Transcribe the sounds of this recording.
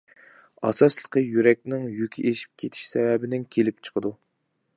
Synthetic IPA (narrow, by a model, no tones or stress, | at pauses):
ɑ̰sɑslˠəqəjyɾɛk̚ʲnɪŋjykʲʰiʔeʃi̥p̚kʲʰet̪ʰɪ̥ʃsɛvɛbɪnɪŋkʲʰelɪp̚t͡ʃʰə̥qʰəd̪u